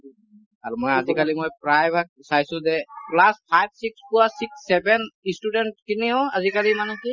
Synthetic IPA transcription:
aɹumɔjazikalimojpɹajbʱak̚sajsʊ̃zɛplaspʰajb̚sikspuasiksːɛbɛnistudɛntkiniɔ̃azikalimanũki

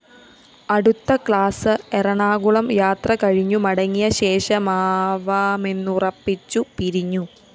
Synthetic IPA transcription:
ɐɽut̪ːɐkɭaːsɨerɐɳaːɡuɭɐmjaːt̪rɐkɐɻiɲːumɐɽɐŋːijɐɕe̞ːʂɐmaːʋaːmenːurɐpːit͡ɕːupiɾiɲːu

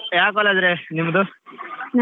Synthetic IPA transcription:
jaːkɔlad̪ɾenimːɐd̪u

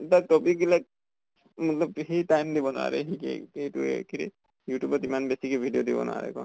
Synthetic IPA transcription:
tatɔpikilak̚ | mʊtlɔbɦitajmd̪ibɔnʊa̰ɹɛ̰ɦikḛejtuekʰinḭ | jutjubɔtimanbesikebʱidijodibɔ̰nʊ̰a̰ɹɛ̰kɔ̰n

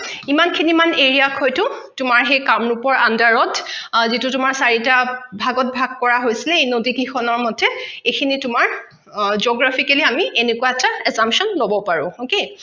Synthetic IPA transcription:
imankʰinimaneɹiakʰɔjtʊtʊmaɹɦejkamɹupɔɹʔandaɹɔtzitutʊmaɹsaɹitabʱaɡɔt̚bʱaɡ̚kɔɹaɦojsilɛejnodikɹixʰɔnɔɹmɔtʰɛejkʰinitʊmaɹ | zoɡɹafʰikɛliamiʔenekuwaɛtaɛzamsɔnlobɔpaɹʊ̰̃hoke

